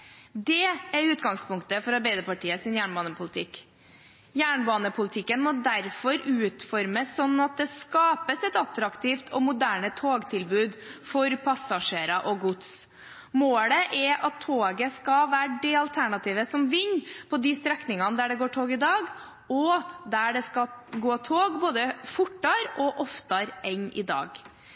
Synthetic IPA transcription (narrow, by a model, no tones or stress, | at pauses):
d̪ɛæɾʉːt̪ɡɑŋspʰʊŋkt̪əfɔɾɑɾbæɪd̪əpɑʈʰiːəsɪnjæːɳbɑːnəpʰʊlɪt̪ʰɪkː | jæːɳbɑːnəpʰʊlɪt̪ʰɪkːənmɔd̪æɾfɔɾʉːt̪fɔɾməsːɔnːɑt̪̚d̪ɛskɑːpəsɛt̪ɑt̪ɾɑkt̪ʰiːft̪ʰɔmʊd̪æːɳət̪ʰoːɡt̪ʰɪlbʉːd̪fɔɾpʰɑsɑʂeːɾɑʔɔɡʊt̪s | moːləʔɛʔɑt̪ʰːoːɡəskɑʋæːɖɛɑlt̪ʰæɳɑt̪ʰiːʋəsɔmʋɪɲːpʰɔd̪ɪst̪ɾɛknɪŋɑnəd̪æɖɛɡoːʈʰoːɡɪd̪ɑːɡ | ɔd̪æɖɛskɑɡoːt̪ʰoːɡboːd̪əfʊʈːɑɾɔʔɔft̪ɑɾɛɲʔɪ̰d̪ɑ̰ːɡ